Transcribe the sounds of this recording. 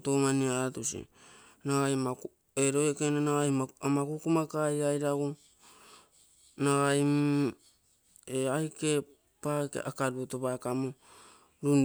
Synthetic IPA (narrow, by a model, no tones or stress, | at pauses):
tomaniaɾatusḭ | naɡajma | eɾoekenanaajmamakukumakajajɾaɡo | naɡajm | eajke̞ | pakḛa̰kaɾuotoβakamo | ɾun